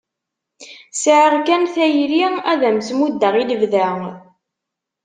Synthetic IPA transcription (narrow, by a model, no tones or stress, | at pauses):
sʕəʁkænθæjɾiæðæmsmud̪ːəʁiləvðæ